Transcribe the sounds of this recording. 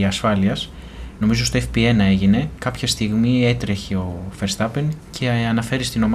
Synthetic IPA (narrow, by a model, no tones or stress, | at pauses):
ɐsfɐliɐs | no̞mizo̞st̪oefpie̞nɐe̞ʝine̞kɐpçɐst̪iɣmie̞t̪ɾe̞çe̞o̞fe̞ɾst̪ɐpencʰe̞ɐnɐfe̞ɾist̪ino̞m